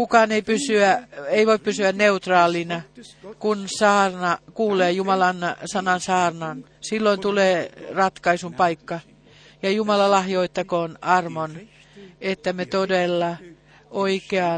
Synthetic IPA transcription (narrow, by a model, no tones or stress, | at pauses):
kukɑneipysyæeiʋoippysyænneut̪rɑːlinɑkunsɑːrnɑkuːleːjumɑlɑnsɑnɑnsɑːrnɑn | silːoint̪uleːrɑt̪kɑisumpɑikːɑ | jɑjumɑlɑlɑhjoit̪ːɑkoːnɑrmon | et̪ːæmet̪odelːɑ | ʔoikeɑ